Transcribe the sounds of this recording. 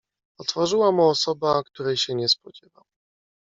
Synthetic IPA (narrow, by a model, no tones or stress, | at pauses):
ɔt̪fɔʐɘwamuɔsɔbakt̪uɾɛjɕɛɲɛspɔd͡ʑɛvaw